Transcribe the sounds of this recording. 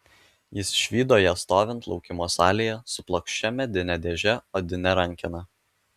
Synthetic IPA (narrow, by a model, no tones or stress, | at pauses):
jɪsʃʲʋʲiːd̪oːjɛst̪oːʋʲɛnt̪lˠɒʊkʲɪmoːsɑːlʲijɛsʊplˠokʃʲt͡ʃʲɛmʲɛd̪ʲɪnʲɛd̪ʲeːʒʲɛoːd̪ʲɪnʲɛɾɐŋʲkʲɪnɐ